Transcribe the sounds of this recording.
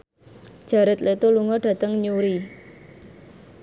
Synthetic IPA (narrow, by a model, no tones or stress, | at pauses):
ʒ̥ä̤ɾɪt̪lʔet̪uluŋɔɖ̥a̤t̪əŋɲuɾi